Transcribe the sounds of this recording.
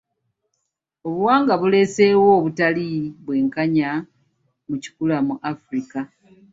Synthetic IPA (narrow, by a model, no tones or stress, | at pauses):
o̞βuwaːŋɡaβule̞se̞wo̞ːβutaliβwe̞ːŋkaɲa | muci̥kulamuʔafɾika